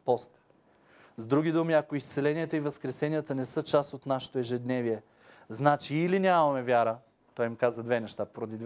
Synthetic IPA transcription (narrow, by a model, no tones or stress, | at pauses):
pɔst̪ | zd̪ɾuɡʲid̪umiɐkoist̪sɛlɛniət̪əivɐskɾɛsɛnijət̪ənɛsɤt͡ʃasot̪naʃɛ̥t̪oɛʒɛd̪nɛviɛ | znat͡ʃiːlinʲamɐmɛvʲjaɾə | t̪ɔjmkazəd̪vɛnɛʃt̪apoɾod̪id̪